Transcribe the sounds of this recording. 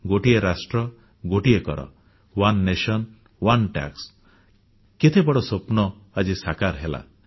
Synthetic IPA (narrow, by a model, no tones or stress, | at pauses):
ɡoʈieɾasʈɾɔ | ɡoʈiekɔ̰ɾɔ̰ | wanːeʃɔn | wanʈa̰ks | ket̪ʰebɔɽɔsopnɔ | ad͡ʒisakaɾɦela̰